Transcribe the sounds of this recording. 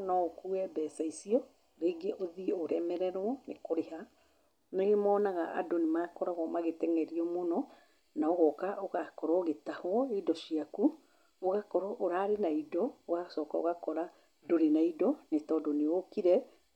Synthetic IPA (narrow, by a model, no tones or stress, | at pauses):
nɔokuɛbɛsaisiɔ | ɾeːɡeʔoðioɾɛmɛɾɛɾwɔnekoɾeha | neɣemɔːnaɣaʔa̰donemakɔɾaɣɔmaɣetɛŋɛɾiɔmonɔ | naoɣɔkaoɣakɔɾɔɣetahwɔedɔʃiaku | oɣakɔɾɔʔoɾaɾenaidɔoɣasɔːkao̰ɣakɔɾa | doɾenaidɔnetɔdɔneokiɾɛ